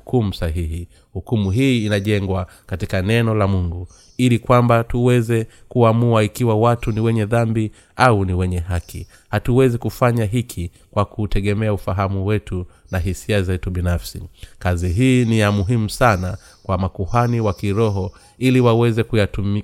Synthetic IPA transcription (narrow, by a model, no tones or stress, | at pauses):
kumusaɦiɦi | hukumuɦiːnaʄɛŋɡwa | katikanɛnɔlamuŋɡu | ilikwambatuwɛzɛkuamuaikiwawatuniwɛɲɛðambi | auniwɛɲɛɦaki | hatuwɛzikufaɲaɦikʰi | kwakʰutʰɛɠɛmɛaufaɦamuwɛtunaɦisiazɛtuɓinafsḭkaziɦiːnijamuɦimusana | kwamakuhaniwakiɾɔɦɔ | iliwawɛzɛkujatumi